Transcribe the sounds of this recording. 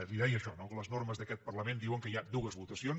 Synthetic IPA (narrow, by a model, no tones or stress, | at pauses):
liðɛjəʃɔnoləznoɾməzðəkɛt̪̚pərləmend̪iwəŋkəiad̪uɣəzβut̪əsions